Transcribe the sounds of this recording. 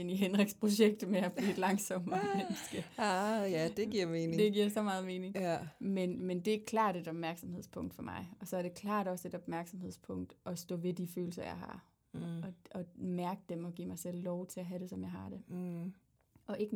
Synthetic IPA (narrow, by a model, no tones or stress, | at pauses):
eniɦenʁeɡ̥spʰʁo̝ɕeɡ̥̚d̥meæb̥ḭːed̥lɑ̈ŋsɒ̽m̰mensɡ̥əjæd̥e̥iɐ̰meːnd̥e̝ɡ̥iɐjsɒ̽mɑ̈ːð̞̩ˠme̝ːne̝ŋmenmend̥e̝ɡkʰlɑ̰̈ːd̥e̝d̥ɒ̽b̥̚mæɐɡ̥sɒ̽mhe̝ð̞̰ˠspʰɔ̽ŋ̰d̥fɒ̽mɑ̈ɪɒ̽sɒ̽æɐɾ̥e̝kʰlɑ̰̈ːd̥ɒ̽se̝d̥ɒ̽b̥mæɐɡ̥sɒ̽mhe̝ð̰ˠspʰɔ̽ŋ̰d̥ʔɒ̽sd̥ɔ̰̽ːʋe̝d̥iføːl̩sɐjɑ̈ɪhɑ̰̈ | ɒ̽ɒ̽mæɐɡ̥əd̥emɒ̽ɡ̥ḭmɑ̈ɪsel̰ːɒʊt͡sʰe̝æɦæɾe̝sɒ̽mjɑ̈ɪɦɑ̈d̥e̝ | ʔɒ̽ʔe̝ɡ̥